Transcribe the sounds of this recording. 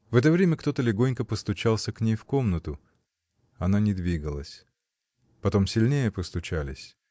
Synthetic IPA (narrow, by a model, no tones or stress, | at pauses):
vɛt̪əvɾʲemʲəkt̪o̞t̪əlʲɪɡo̞nʲkəpəst̪ʊt͡ɕalˠsʲəknʲejfko̞mnət̪ʊ | ɐnanʲɪd̪vʲiɡəlˠəsʲ | pɐt̪o̞msʲɪlʲnʲejəpəst̪ʊt͡ɕalʲɪsʲ